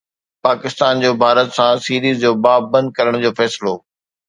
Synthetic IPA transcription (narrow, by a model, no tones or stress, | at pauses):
paːkɪst̪aːnd͡ʑoːbʱaːɾət̪sãsiːɾiːzd͡ʑoːbaːb̚ːəɐ̃nd̪̚kɐɾəɽ̃d͡ʑoːfɛːslo